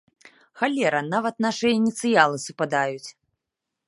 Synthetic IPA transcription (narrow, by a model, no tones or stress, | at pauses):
xalʲɛɾɐnavɐt̪naʂɨjɐinʲit̪sɨjalˠɨsɨpad̪ajut͡sʲ